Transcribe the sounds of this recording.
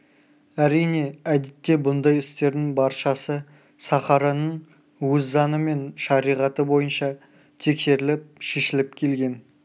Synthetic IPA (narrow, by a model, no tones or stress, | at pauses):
æɾijne̞æd̪et̪ːe̞bʊnd̪ɑjɪst̪e̞ɾd̪ɪŋbɑɾʃɑsə | sɑχɑɾɑnəɴ | wɵzːɑnəme̞nʃɑɾijʁɑt̪əbo̞jənʃɑ | t̪ʰe̞kse̞ɾɪlɪp̚ʃe̞ʃɪlɪp̚kʲʰe̞lɡʲe̞n